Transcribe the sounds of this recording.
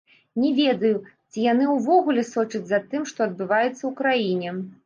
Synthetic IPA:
nʲɛvʲɛd̪ɐjut͡sʲijan̪ɨwvɔɣulʲɛsɔt͡ʂɐd͡zʲzat̪ɨmʂt̪ɔɐd̪̚bɨvajɛt̪sːɐwkɾajinʲɛ

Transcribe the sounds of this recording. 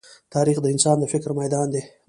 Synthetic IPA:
t̪ʰɑːɾixd̪əɪnsɑnd̪əfɪkɾmajd̪ɑːnd̪e

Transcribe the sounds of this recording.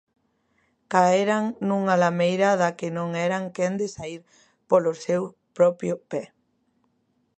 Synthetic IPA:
kaeɾaŋnuŋalamejɾaðakɪnõŋɛɾaŋkɛnd̪ɪsaiɾ | polʊsew | pɾɔpjʊpɛ

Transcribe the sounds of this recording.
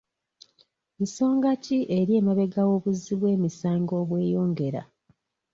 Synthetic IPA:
miso̞ːŋɡaciʔeɾje̞ːmaβe̞ɡawo̞ːβuziβwe̞ːmisaːŋɡo̞ːβwe̞ːjo̞ːŋɡe̞ɾa̰

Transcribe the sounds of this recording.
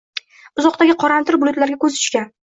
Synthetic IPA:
ʊzɒqt̪aɡʲɪqʰɒɾant̪ʰɪɾbʊlˠʊt̪laɾɡʲakɵzʰʊ̥ʃkʲan

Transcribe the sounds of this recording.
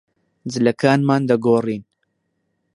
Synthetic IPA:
d͡zɨlɐkaːnmaːnd̪ɐɡoːriːn

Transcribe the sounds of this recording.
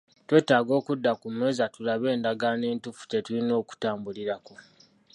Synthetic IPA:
twe̞ːtaːɡo̞ːkudːakume̞ːzatulaβe̞ːndaɡane̞ːntufu̥cetulino̞ːku̥taːmbuliɾako̞

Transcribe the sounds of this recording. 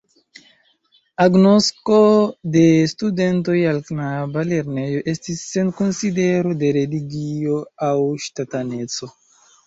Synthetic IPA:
aɡnosko̞de̞stude̞nto̞jalknabale̞ɾne̞jo̞ʔe̞stisːe̞nkonside̞ɾo̞de̞ɾe̞liɡioawʃtatane̞t͡so̞

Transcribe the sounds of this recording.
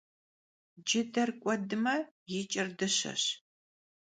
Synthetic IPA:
d͡ʒɪdɐrkʷʼɔdɨmɐ | jɪt͡ʃʼɐrdɨɕɐ̰ɕ

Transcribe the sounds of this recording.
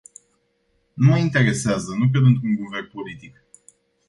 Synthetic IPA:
numəint̪e̞ɾe̞seazənukɾed̪ɨnt̪ɾuŋɡuverpo̞lit̪ik

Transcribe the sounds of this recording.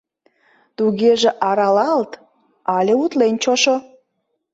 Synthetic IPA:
t̪uɣeʒĕʔɑɾɑlɑlt̪ | ɑlʲeut̪lenʲt͡ɕoʃo

